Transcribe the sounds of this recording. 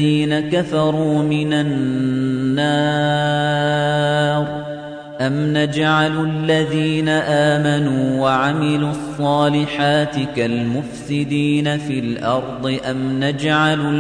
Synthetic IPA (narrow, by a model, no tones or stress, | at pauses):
iːnakafɑɾˤuːmɪnanː | ɑː | ɾ | ʔamnad͡ʒaʕallːaðiːnaʔaːmanuːwaʕamɪluːʔɑsˤːɑːlɪħaːt̪ɪkalmʊfsɪd̪iːnafiːlʔɑɾˤd̪ˤɨʔamnad͡ʒʕal